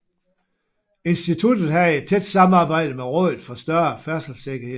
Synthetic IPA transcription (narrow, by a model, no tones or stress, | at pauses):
e̝nsd̥it͡sʰud̥ð̩ˠhæe̝d̥̚t͡sʰed̥sɑ̈mɑ̈ːb̥ɑ̈ɪ̰d̥əmeʁɔðˠð̩ˠfɒ̽sd̥ɶɐfæɐsl̩seɡ̥ɐhe̝ð̰ˠ